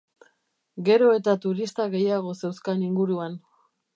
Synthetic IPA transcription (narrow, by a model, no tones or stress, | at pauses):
ɡe̞ɾo̞e̞t̪at̪uɾist̪aɣe̞jaɣ̞o̞se̞wskaniŋɡuɾuan